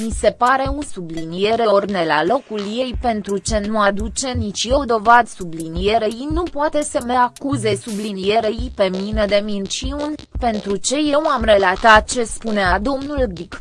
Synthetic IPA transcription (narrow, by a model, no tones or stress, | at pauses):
mise̞paɾe̞unsublinije̞ɾeorne̞lalo̞kulje̞jpe̞nt̪ɾut͡ʃe̞nuad̪ut͡ʃe̞nit͡ʃʲje̞wd̪o̞vad̪sublinije̞ɾeinupoat̪e̞səmeakuze̞sublinije̞ɾeipe̞minəd̪e̞minʃiunpe̞nt̪ɾut͡ʃe̞je̞wamre̞lat̪at̪̚t͡ʃe̞spunead̪o̞mnuld̪ik